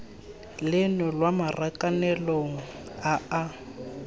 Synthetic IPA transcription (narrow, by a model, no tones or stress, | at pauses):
lɪnɔlwamarʔakʼanɛloŋ̩aa